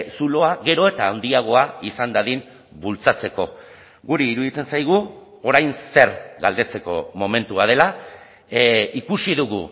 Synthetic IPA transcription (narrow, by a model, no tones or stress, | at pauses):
sulo̞aɣe̞ɾo̞e̞t̪aːwnd̪iaɣ̞o̞aisand̪aðin | bult͡sat͡se̞ko̞ | ɣuɾiːɾuðit͡se̞nsajɣ̞u | o̞ɾajnse̞ɾɣald̪e̞t͡se̞ko̞̰mo̞me̞nt̪uað̞e̞la | ikusiðuɣ̞ṵ